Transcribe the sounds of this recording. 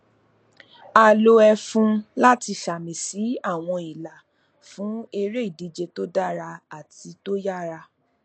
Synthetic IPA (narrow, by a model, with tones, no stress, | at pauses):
a˨lo˧ɛ˧fũ˧la˦ti˧ʃa˨mĩ˨si˨˦a˦˨w̃ɔ̃˧i˨la˨ | fũ˨˦e˧ɾe˦i˦˨di˨˦d͡ʒe˧to˦da˦ɾa˧a˨ti˧to˦ja˦ɾa˧